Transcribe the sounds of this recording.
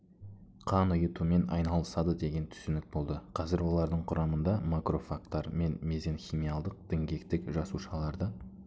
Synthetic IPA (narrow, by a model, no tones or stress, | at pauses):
qʰɑnʊjət̪ume̞nɑ̰jnɑlˠəsɑd̪əd̪e̞ɡʲe̞nt̪ʰʏ̥sʏnɪk̚bo̞lˠd̪əqʰɑzɪɾwo̞lˠɑɾd̪əɴqʰʊɾʔɑmənd̪ɑmakro̞fak̚t̪ːɑɾme̞nme̞ze̞nxʲimijalˠd̪əq̚d̪̥ɪŋɡʲe̞k̚t̪ɪkʒɑsuʃɑlˠɑɾd̪ə